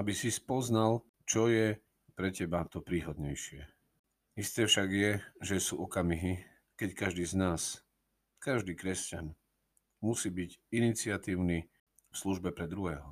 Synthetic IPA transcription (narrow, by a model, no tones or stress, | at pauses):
abisispɔznal | t͡ʃɔjɛ | pɾɛcɛbat̪ɔpɾiːɦɔd̪ɲɛjʃɪɛ | ist̪ɛːfʃaɡjɛʒɛsuːɔkamiɦi | kɛckaʒd̪iːznaːs | kaʒd̪iːkɾɛscan | musiːbiɟinit͡sɪat̪iːʊni | fsluʒbɛpɾɛd̪ɾuɦɛːɦɔ